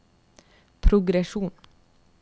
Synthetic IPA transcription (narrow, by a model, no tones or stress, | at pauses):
pʰɾʊɡɾɛʃuːn